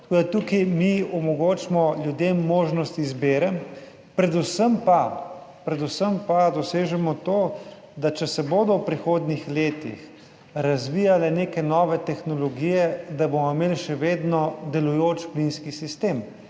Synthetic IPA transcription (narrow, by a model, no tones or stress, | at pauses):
t̪t̪ɐkoːd̪at̪ukimiɔmɔɡoːt͡ʃmɔljud̪emːoːʒnɔst̪izbeːɾɛm | pɾɛd̪usəmpapɾɛd̪usəmpad̪ɔseːʒɛmɔt̪oː | d̪at͡ʃɛsɛboːd̪ɔwpɾixoːd̪nixleːt̪ḭx | ɾazʋiːjalɛneːkɛnɔːʋɛt̪ɛxnɔlɔɡiːjɛd̪abomɔmeːlʃɛʋeːd̪nɔd̪ɛlujoːt͡ʃplinskisist̪em